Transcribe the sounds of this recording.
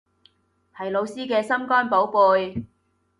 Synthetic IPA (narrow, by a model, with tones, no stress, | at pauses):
hʰɐ˨jlo˨˧wsiː˥kɛː˧sɐ˥mkɔː˥npo˨˥wpuː˨˧j